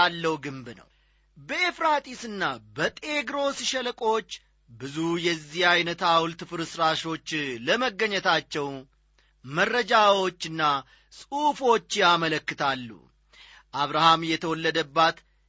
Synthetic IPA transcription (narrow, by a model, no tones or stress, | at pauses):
alːəwɡɨmbnə̰w | bəefɾat̪ʼisɨnːabət̪ʼe̞ɡɾo̞sʃɛləkʼo̞t͡ʃː | bɨzujɛzːihajnət̪awlt̪ɨfɨɾɨsɾaʃo̞t͡ʃːləməɡːəɲːɛt̪ʰat͡ʃːɛw | mərːəd͡ʒawo̞t͡ʃːɨnːa | sʼufo̞t͡ʃːɪjamələkːɨt̪ʰalːṵ | ʔaβɾahamjɛt̪ʰəwɔlːəd̪əbːat̪